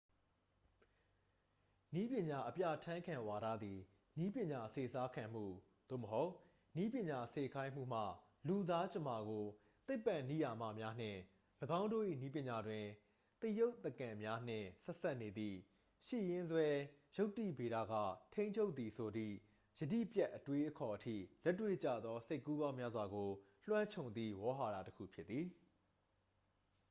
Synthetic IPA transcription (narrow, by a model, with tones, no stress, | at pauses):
ni˦pjɪ̃˨ɲa˨ʔəpja̰˦˨tʰã˦ŋkʰã˨wa˨ɾä̰˦˨d̪i˨ | ni˦p̬ʲjɪ̃˨ɲa˨se˨sa˦kʰã˨m̥ṵ˦˨ | d̪̥o̰˦˨məɦo˦ʊʔ | ni˦p̬jɪ̃˨ɲa˨se˨kʰã˦ɪ̃m̥ṵ˦˨m̥ä̰˦˨ | lu˨d̪a˦d͡ʑə˨ma˨ɡo˨ | t̪e˦ɪpːã˨ni˦ja˨ma̰˦˨mja˦n̥ɪ̰̃˦˨ | ləɡã˦ʊ̃ndo˦˨ʔḭ˦˨ni˦p̬ʲjɪ̃˨ɲa˨dwɪ̃˨ | t̪ə˨jo˦ʊt̪ə˨kã˨mja˦n̥ɪ̰̃˦˨sɛ˦ʔsa˦ʔne˨d̪ḭ˦˨ | ʃi˦˨jɪ̃˦nzwɛ˦jo˦ʊtːḭ˦˨be˨ɾa̰˦˨ɡa̰˦˨tʰẽ˦ɪ̃ɲt͡ɕʰo˦ʊt̪̚ːi˨sʰo˨d̪ḭ˦˨ | jə˨t̬ḭ˦˨pjɛ˦ʔətwe˦ʔəkʰɔ˨ʔətʰḭ˦˨lɛ˦tːwe˦˨t͡ɕä̰˦˨d̪ðɔ˦se˦ɪkːu˦bã˦ʊ̃mja˦zwa˨ɡo˨ | l̥wã˦ɲt͡ɕʰõ˨ʊ̃nd̪ðḭ˦wɔ˦ɦa˨ɾa˨təkʰṵ˦˨pʰjɪ˦t̪ːi˨